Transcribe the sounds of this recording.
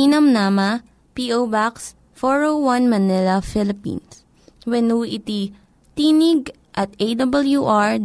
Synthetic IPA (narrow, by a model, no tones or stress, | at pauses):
inɐmnaːmɐ | piʔowbaks | fɔɹowwɐ̃nmɐnɪlɐfɪlɪpḭns | wɛnuːʔit̪i | t̪iːnɪɡ̚ | ʔɐt̪̚ed̪ɐbɐljuʔaɹ